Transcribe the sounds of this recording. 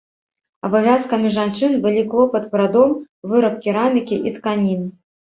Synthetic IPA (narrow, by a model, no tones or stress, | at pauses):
ɐbavʲaskɐmʲiʐant͡ʂɨnbɨlʲiklˠɔpɐt̪pɾad̪ɔm | vɨɾɐp̚kʲiɾamʲikʲiʔit̪kanʲin